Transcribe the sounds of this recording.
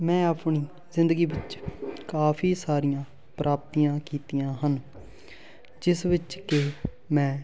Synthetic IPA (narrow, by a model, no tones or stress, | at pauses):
mɛ̃ːəpɳiː | zɪ̃nd̪əɡiːʋɪt͡ʃkaːpʰiːsaːɾijãː | pɾʔaːp̚t̪iːãːkiːt̪ijãːɦən | d͡ʒɪsʋɪt͡ʃke | mɛ̃ː